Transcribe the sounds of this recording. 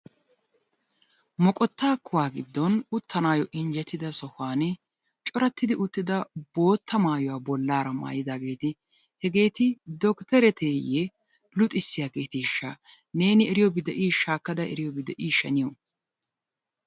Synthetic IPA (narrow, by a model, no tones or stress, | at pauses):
mɔkʼɔt̪ːaːkʰːʊwaːɡɪd̪ːɔnʊt̪ʰːɐnaːjɔʔɪnd͡ʒɛt̪ːɪd̪ɐsɔhaːnɪ | t͡ʃʼɔɾɐt̪ːɪd̪ɪʔʊt̪ːɪd̪ɐbo̞ːt̪ːɐmaːjɔwaːbɔlːaːɾɐma̰ːjɪd̪aːɡe̞ːt̪ɪ | hɛɡe̞ːt̪ɪd̪ɔkt̪ɛɾɛt̪ʰeːjɛ | lʊt̪ʼɪsːɪjaːkeːt̪ɪʃːɐ | ne̞ːnɪɛɾɪjɔbɪd̪ɛʔiːʃaːkːɐd̪ɐɛ̰ɾɪjɔbɪd̪ɛʔiːʃɐnɪjɔ